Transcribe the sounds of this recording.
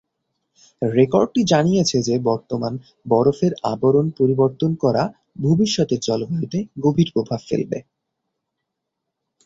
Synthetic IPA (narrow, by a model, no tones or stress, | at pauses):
ɾekoɾɖ̚ʈid͡ʑanijet͡ɕʰed͡ʑebɔɾt̪oman | bɔɾofeɾaboɾonpoɾiboɾt̪onkɔɾa | bʱobiʃːɔt̪eɾt͡ɕɔlobait̪eɡobʱiɾpɾobʱabfḛlbḛ